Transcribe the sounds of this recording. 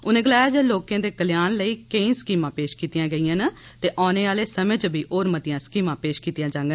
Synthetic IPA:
ʊnẽːɡəlaːjaːd͡ʒeːloːkjãːd̪eːkəljaːnləiːkəĩːsə̥kiːmãːpeːʃkiːt̪ɪjãːɡəiːãːnat̪eːʔɔːneːaːleːsəməd͡ʒbʱiːʔoːɾmət̪ɪjãːsə̥kiːmãːpeːʃkiːt̪ɪjãːd͡ʒãːŋɡən

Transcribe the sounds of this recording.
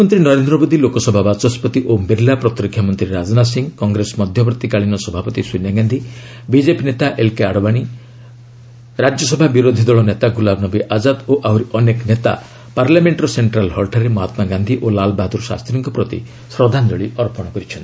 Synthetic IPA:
mɔnt̪ɾinɔɾend̪ɾɔmod̪ʱilokɔsɔbʱabat͡ʃɔspɔt̪iʔombeɾlapɾɔt̪ɾikʰːjɔmɔnt̪ɾiɾad͡ʒɔnas̬iŋɡkɔŋɡɾesɔmɔd̪ʱjɔpɾɔt̪ikaɭinɔsɔbʱapɔt̪iswinaɡand̪ʱi | bid͡ʒepinet̪aʔelkeaɽɔbaɽ̃i | ɾad͡ʒjɔsɔbʱabiɾod̪ʱid̪ɔɭɔnet̪aɡulabnɔbiʔad͡ʒad̪oʔawɾiʔɔneknet̪a̰ | paɾlameɳʈɾɔseɳʈɾalɦɔlʈʰaɾemɔɦat̪maɡand̪ʱiʔolalbad̪uɾsa̰st̪ɾiŋkɔpɾɔt̪ḭ | sɾɔd̪ʱand͡ʒ̪ɔɭiʔɔɾpɔɽ̃kɔɾit͡ʃʰɔnt̪i

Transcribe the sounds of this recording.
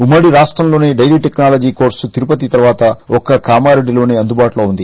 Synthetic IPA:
umːɐɽiɾaːʂʈɾɐmlo̞ːneːɖɐjliːʈeknaːlɐd͡ʒiːko̞ːɾsut̪iɾupɐt̪it̪ɐɾʋaːt̪ɐɔkɐkaːmaːɾeɖːilo̞ːneːɐnd̪ubaːʈuloːund̪i

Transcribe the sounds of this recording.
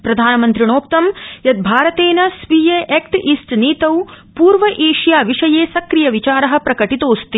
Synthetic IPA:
pɾɐd̪ʱaːnɐmɐnt̪ɾiɳ̃oːk̚t̪ɐmjɐt̪d̪̚bʱaːɾɐt̪eːnɐsʋijeʔekʈʔisʈniːt̪ɐwpuːɾʋɐʔeːʂjaːʋiʂɐjeːsɐkɾijɐʋit͡ʃaːɾɐɦɐ̆pɾɐkɐʈit̪oːst̪i

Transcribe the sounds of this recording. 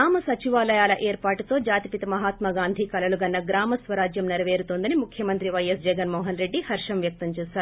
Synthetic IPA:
aːmɐsɐt͡ʃiʋaːlɐjaːlɐʔeːɾpaːʈut̪o̞ːd͡ʒaːt̪ipit̪ɐmɐɦaːt̪mɐɡaːnd̪ʱikɐlɐluɡɐnːɐɡɾaːmɐsʋɐɾaːd͡ʒjɐmnɐɾɐʋe̞ːɾut̪ond̪ɐnimukʰjɐmɐnt̪ɾiʋɐjɐsd͡ʒɛɡɐnmɔːɦɐnɾe̞ɖːihɐɾʂɐmʋjɐk̚t̪ɐmt͡ʃɛːsaːɾu

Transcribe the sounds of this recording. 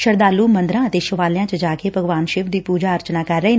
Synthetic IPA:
ʃəɾd̪aːlːuːmənd̪ɾãːət̪eːʃʊʋaːlɪjãːt͡ʃəd͡ʒaːkeːbʱəɡʋaːnʃɪːʋd̪iːpuːd͡ʒaːəɾt͡ʃnaːkəɾːəɦiːn

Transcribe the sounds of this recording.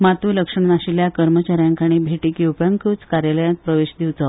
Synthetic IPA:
mat̪uləkʂəɳnaɕiljakəɾmət͡ɕaɾjãŋkaɽ̃iːbʱeʈiːkjuwpjaŋkʰut͡skaɾjaləjãt̪̚pɾəʋeɕd̪iwt͡sə

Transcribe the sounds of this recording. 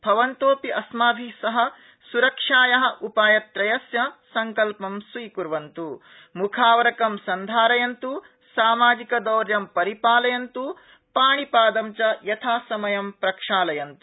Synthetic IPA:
bʱɐʋɐnt̪oːpiʔɐsmaːbʱisɐɦɐ̆ | suɾɐkʂaːjɐɦɐ̆ʔupaːjɐt̪ɾɐjɐsjɐsɐŋkɐlpɐmsʋiːkuɾʋɐnt̪u | mukʰaːʋɐɾɐkɐmsɐnd̪ʱaːɾɐjɐnt̪u | saːmaːd͡ʒikɐd̪ɐːɾjɐmpɐɾipaːlɐjɐnt̪u | paːɳipaːd̪ɐmt͡ʃɐjɐt̪ʰaːsɐmɐjɐmpɾɐkʂaːlɐjɐnt̪u̥

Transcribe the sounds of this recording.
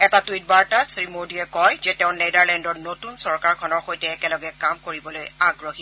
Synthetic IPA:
ɛtatuijt̚baɹtasɹimodiɛkɔjzɛtɛʊ̃nejdaɹlɛndɔnotunsɔɹkaɹkʰɔnɔɹxojtɛːkɛlɔɡɛkamkoɹibɔlojaɡɹoxi

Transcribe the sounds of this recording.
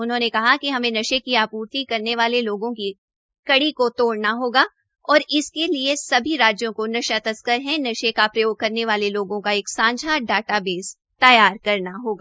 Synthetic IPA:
ʊnɦõːnekɐɦakiɦɐmẽnɐʃekiaːpuːɾt̪ikɐɾneʋaːleloːɡõki | kɐɽikot̪oːɽnaɦoːɡaː | ɔːɾɪskeliesɐbʱiɾaːd͡ʒjõkonɐʃat̪ɐskəɾɦɛ̃nɐʃekapɾɐjoːɡ̚kɐɾneʋaːleloːɡõkaeːksãːɲd͡ʒʱaɖaːʈabeːz | t̪ɐjaːɾkɐɾnaɦoːɡaː

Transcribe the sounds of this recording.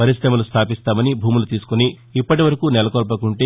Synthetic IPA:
pɐɾisɾɐmɐlust̪ʰaːpist̪aːmɐnibʱuːmulut̪iːsu̥kuniː | pːɐʈiʋɐɾɐkunɛlɐkolp̬ɐkuɳʈeː

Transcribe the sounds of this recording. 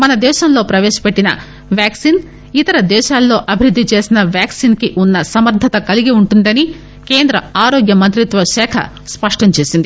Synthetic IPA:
mɐnɐd̪ɛːʃɐlːoːpɾɐʋeːʃɐ̥pɐʈːinɐ̰ | ʋjaːksiːn | it̪ɐɾɐd̪ɛːʃaːlːoːʔɐbʱiɾud̪ʱːit͡ʃeːsinɐʋjaːksiːnkeʔunːɐsɐmɐɾd̪ʱɐt̪ɐkɐliɡeuɳʈund̪ɐni | keːnd̪ɾɐaːɾoːɡjɐmɐnt̪ɾit̪ʋɐʃɛːkʰɐ̰ | spɐʂʈɐɲt͡ʃeːsind̪i

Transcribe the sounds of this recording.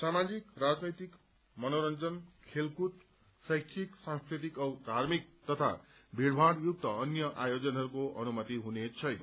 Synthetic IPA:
samad͡zikrad͡znʌjt̪ik | mʌnoɾʌnd͡zʌnkʰelkut̪ | sʌjkʰiksãŋskɾit̪ikʌwd̪ʱarmik̚t̪ʌt̪ʰa̰bʱiɽbʱaɽjuk̚t̪ʌʌnjʌʔajod͡zʌnɦʌɾukoʔʌ̰numʌt̪iɦunet͡sʰʌjnʌ

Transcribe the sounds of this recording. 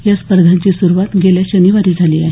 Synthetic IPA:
ɦjaspəɾd̪ʱat͡ɕiːsuɾuʋat̪ɡʱeljaɕəniʋaɾiːd͡zʱaliːaɦ

